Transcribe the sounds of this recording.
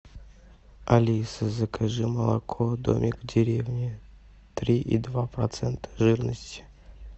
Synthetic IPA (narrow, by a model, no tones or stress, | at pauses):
alʲisəzəkʰaʐɨməlˠa̰kʰod̪o̰mʲɪkvdʲɪɾʲevnʲɪ | t̪ɾʲiʔḭd̪vapɾɐt̪sɛnt̪ʰə̥ʐɨrnəsʲtʲɪ̥